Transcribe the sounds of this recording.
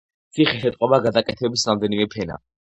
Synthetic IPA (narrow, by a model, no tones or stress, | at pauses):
t̪sʰiχɛʃɛt̪ʼqʼɔbaɡad̪akʼɛt̪ʰɛbisɾamd̪ɛnimɛpʰɛna̰